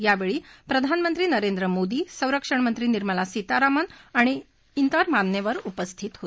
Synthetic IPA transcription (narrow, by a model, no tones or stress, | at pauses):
jaʋeɭiːpɾəd̪ʱanmənt̪ɾiːnəɾend̪ɾəmod̪iːsə̃wɾəkʂəɳmənt̪ɾiːniɾməlasit̪aɾamənaɽ̃i | int̪əɾmanjeʋəɾupəst̪ʰit̪ɦot̪